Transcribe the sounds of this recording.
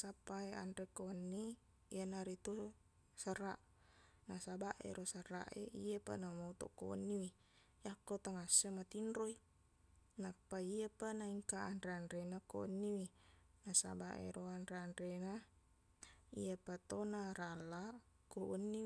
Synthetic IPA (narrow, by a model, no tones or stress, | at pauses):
sapːaea̰nɾekoənːi | ianaɾit̪u | səraʔ | nasabaʔḛɾosəra̰ʔḛijapa̰namout̪o̰ʔkoʔə̰nːiwi | jakːot̪aŋasːemat̪inrɾoi | napːaiapanaiŋkaʔːnɾeanɾenako̰nːiwinasa̰baʔḛɾoanɾeanɾena | ḭapat̪onaɾalːa | koʔənːi